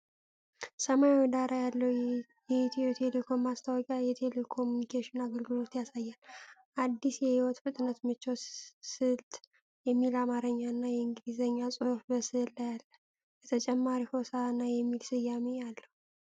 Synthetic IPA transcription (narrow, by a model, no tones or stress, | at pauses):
səmajwɔd̪aɾajalːəwjɛt̪wɛt̪ʰe̞lekʰo̞mːast̪ʰawɔkʼajɛt̪ʰe̞lekʰo̞munikʰeʃɪnaɡəlɡɨlo̞t̪jasajːalʔad̪ːisjɛhiwɔt̪fɨt̪ʼnət̪mɨt͡ʃːosɨlt̪ʼ | jɛmːilamaɾəɲːaɨnːajɛɨŋɡɨlizəɲːasʼofbəsɨlajalːə | bət̪ʰət͡ʃʼɛmːaɾihosaanːajɛmːilsɨjːamejalːəhu